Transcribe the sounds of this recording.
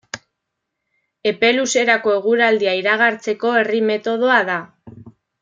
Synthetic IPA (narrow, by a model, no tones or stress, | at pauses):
e̞pe̞luse̞ɾako̞e̞ɣ̞uɾald̪iaiɾaɣ̞aɾt͡se̞ko̞e̞rime̞t̪o̞ð̞oaða